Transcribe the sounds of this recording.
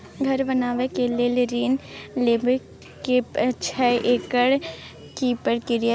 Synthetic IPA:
ɡʱɐɾbɐnaːʋekeleːleɾiːnleːbə | kept͡ʃʰɛʔeːkəɽ | kiːpəɽkɪɾijə

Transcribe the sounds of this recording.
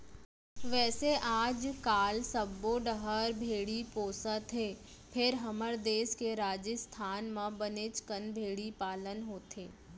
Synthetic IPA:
ʋɛːseʔaːd͡ʒkaːlsəbːõɖəɦəɾbʱeːɽipoːsət̪ʰeː | pʰɪɾɦɐməɾd̪eːskeɾaːd͡ʒəst̪ʰaːnmãbənet͡ʃkənbʱeːɽipaːlənɦoːt̪ʰeː

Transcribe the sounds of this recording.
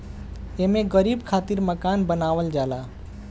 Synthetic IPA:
emeɡəɾibkʰat̪iɾməkanbənaʋəld͡ʒala

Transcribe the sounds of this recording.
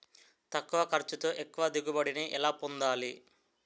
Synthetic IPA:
t̪ɐkːuʋɐkɐɾt͡ʃut̪oːʔekːuʋɐd̪iɡubɐɽiniʔilaːpund̪aːli

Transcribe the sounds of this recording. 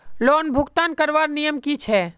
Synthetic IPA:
loːnbʱʊɡt̪aːnkəɾʋaːɾnijəmkit͡ʃʰɛ

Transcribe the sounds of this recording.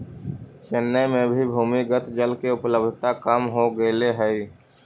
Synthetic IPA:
ʃɪnːəmẽbʱibʱuːmiɡət̪ʰd͡ʒəlkeʊpləb̚d̪ʱt̪akəmɦoɡəleɦɛi

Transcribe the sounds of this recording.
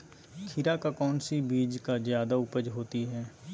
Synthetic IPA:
kʰɪɾakakɔːnsibiːd͡ʒkazjaːd̪aʊpəd͡ʒɦoːt̪iɦɛː

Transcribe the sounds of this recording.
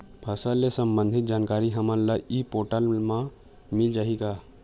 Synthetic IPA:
bʰʱɐsalesə̃mbə̃nd̪ʱɪt̪̚d͡ʒaːnkaːɾiɦɐməɾlaipoːʈəlmã | mɪld͡ʒaːika

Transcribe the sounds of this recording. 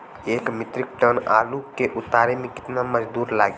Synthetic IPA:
eːkmɪt̪ɾɪk̚ʈəna̰ːlukeʔʊt̪aːɾemẽkɪ̥t̪naməd͡ʒd̪uːɾlaːɡe

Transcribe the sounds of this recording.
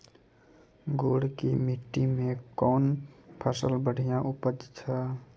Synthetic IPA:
ɡoɽkimiʈːimẽkɔːnpʰəsəlbəɽ̤ʱijãʔupəd͡ʒt͡ʃʰə

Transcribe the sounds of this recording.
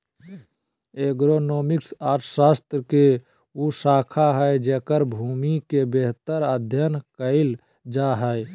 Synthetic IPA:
eɡɾonoːmɪksaːʈʰsaːst̪ɾəke | usaːkʰaɦɛed͡ʒeːkəɾbʱuːmikebeɦt̪əɾəd̪ʱjənkəɪl | d͡ʒaɦɛe

